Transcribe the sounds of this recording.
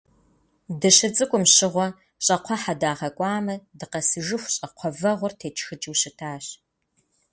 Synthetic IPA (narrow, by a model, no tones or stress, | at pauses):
dɨɕɪt͡sʼɨkʷʼʊmɕɪʁʷɔ | ɕʼɐqʷʰɔħadaːʁɐkʷʼɑːmɐdɨqɐsɨʒɨxʷɕʼɐqʷʰɔvɐʁʷʊrtʰeːt͡ʃʰxɨt͡ʃʼɪwɕɪtʰaːɕ